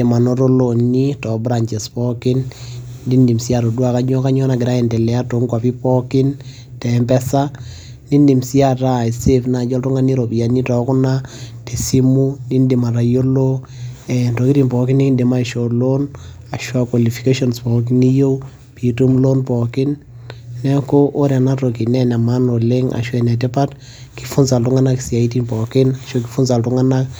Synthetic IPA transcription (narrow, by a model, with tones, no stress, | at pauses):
e˨ma˨no˦ɾo˦lo˨ni˦tɔ˨bɾa˨ɲt͡ʃɛ˨spɔ˦kɪ˦ndi˦ndi˨msi˦a˦to˨dwa˨ka˦ɲɔ˦ka˦ɲɔ˦na˨kɪ˨ɾa˦ɛ˨ndɛ˨lɛ˨a˦to˨ŋkwa˨pi˦pɔ˦kɪ˦n | tɛ˨mbɛ˦sa˦ | ni˦ndi˨msi˦a˦ta˦˨i˨se˦fna˨d͡ʒɔ˦ltɔ˦ŋa˨ni˦ɾo˨pi˨ja˨ni˦tɔ˨kʊ˦nate˨si˦mu˦ni˦ndi˨ma˨ɾa˨jo˦lo˦ | ɛ˨ntɔ˨ki˦ti˨npɔ˨kɪ˦nːi˦kɪ˦ndi˨ma˦˨ʃo˨lo˦n | a˨ʃwa˦kwa˨li˨fi˨ke˦ʃɔ˦nspɔ˨k̬i˦ni˦jo˦ | pi˨tu˦mlo˦npɔ˨kɪ˦nː | ɛ˦ko˦ʔːɾa˨na˦to˨ki˨nɛ˦nɛ˨ma˦no˨le˦ŋa̰˨ʃwɛ˨nɛ˨tɛ˦pa˦t | ki̥˨fʊ˦nsa˨ltʊ˦ŋa˦na˦ksi˨a˨i˦ti˦npɔ˨kɪ˦na˨ʃo˦k̬ɪ˨fʊ˦nsa˨ltʊ˦ŋa˦na˦k